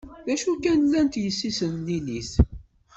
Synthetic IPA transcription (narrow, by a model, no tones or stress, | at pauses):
ðæʃukænlːænt̪jəsːisənliliθ